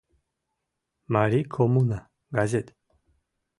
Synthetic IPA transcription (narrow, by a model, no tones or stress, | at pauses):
maɾikʰɔmuna | ɡazɛt̪